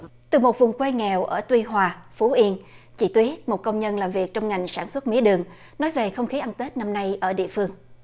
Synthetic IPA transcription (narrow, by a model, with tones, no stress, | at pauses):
t̪ɨ˨˩mo˨˩t̚vʊ˨˩ŋ͡mkwe˧ŋɛ˨˩wʔəː˧˩t̪wi˧ɦwaː˨˩fu˨˦ʔi˧ən | t͡ɕḭ˧˩t̪wi˨˦ət̚mo˨˩t̚kə˧wŋ͡mɲə˧nlaː˨˩mvi˨˩ək̚t͡ɕɔ˧wŋ͡mŋa˨˩jŋ̟saː˧˩nswə˦˥t̚mḭ˧˥əɗɨ˨˩əŋ | nɔ˨˦jve˨˩xə˧wŋ͡mxi˨˦ʔa˧nt̪e˦˥t̚na˧mna˧jʔəː˧˩ɗḭ˧˨əfɨ˧əŋ